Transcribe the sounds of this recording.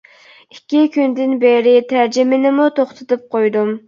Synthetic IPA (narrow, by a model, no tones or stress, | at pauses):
ikʲːikʲynd̪ɪnbeɾɪt̪ʰæɾd͡ʒɪmɪnɪmut̪ʰoχt̪ʰɨt̪ʰɨp̚qʰojd̪um